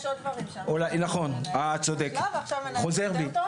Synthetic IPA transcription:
olajnaχo̞nat͡sod̪ekχo̞zeʁbi

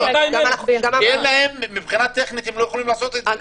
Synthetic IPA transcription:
ɡamanaχuɡamjelaemːibχinat̪eχnit̪emlojeχolimlaːso̞t̪eta

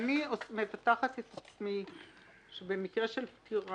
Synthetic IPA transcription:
aniosme̞fataχat̪et̪at͡smi | ʃebe̞mikʁeʃelptʰiʁ

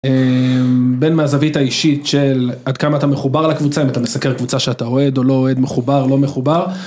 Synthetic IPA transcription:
embenmaːzavitaiʃitʃelad̪kamaːtame̞χubaʁlakvut͡saimat̪amesakeʁkvut͡saʃeatao̞e̞d̪o̞lo̞oe̞d̪me̞χubaʁlo̞me̞χubaʁ

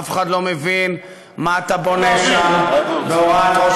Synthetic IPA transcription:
feχad̪lo̞mevin | maːt̪abo̞neʃambeoato

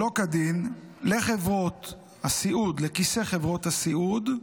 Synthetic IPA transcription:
lo̞kadinleχevʁo̞t̪ | hasiʔud̪lekiseχevʁo̞t̪hasiud̪

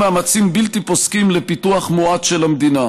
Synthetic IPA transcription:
aːmat͡simbilt̪iposkimlepit̪uaχmoadʃelamd̪ina

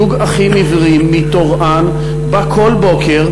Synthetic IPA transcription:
uɡaχimivʁimːit̪oʁʔan | bakʰo̞lbo̞keʁ

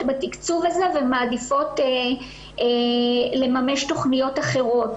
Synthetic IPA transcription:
tbatikt͡suvaze̞vemaːdifo̞t | le̞mame̞ʃto̞χnijo̞taχe̞ʁo̞t

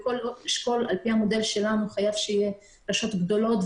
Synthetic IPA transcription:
koloiʃko̞la̰lpihamo̞d̪e̞lʃe̞lanuχajavʃeije | laʃo̞t̪ɡd̪o̞lo̞t̪

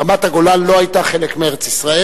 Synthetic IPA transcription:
amat̪haɡo̞lanlo̞ajt̪aχe̞lekmeeʁet͡sisʁae

